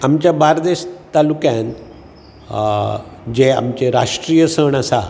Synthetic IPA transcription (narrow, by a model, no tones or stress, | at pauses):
amt͡ɕjabaɾd̪eɕt̪alukjãn | d͡ʑea̰mt͡ɕeɾa̰ʂʈɾijəsəɳasa̰